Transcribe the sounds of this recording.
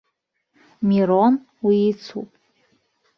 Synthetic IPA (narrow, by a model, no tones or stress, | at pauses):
miɾon | wiːt͡sʰṵpʼ